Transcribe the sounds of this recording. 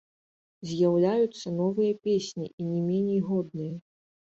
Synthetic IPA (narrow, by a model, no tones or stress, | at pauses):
zʲjawlʲajut̪sːɐnɔvɨjɐpʲesʲnʲḭinʲɛmʲenʲejɣɔd̪̚nɨjɐ